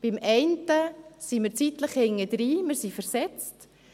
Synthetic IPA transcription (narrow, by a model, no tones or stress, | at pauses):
b̥ɪmʔɛɪntəsimɪɾt͡sitləχhɪŋːədɾiːmɪɾsifɛɾsɛt͡st